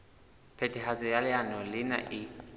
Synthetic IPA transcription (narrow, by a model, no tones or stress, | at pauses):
pʰɛtʰʼiɦat͡sʼɔjalɪanɔlɪna̰ʔɪ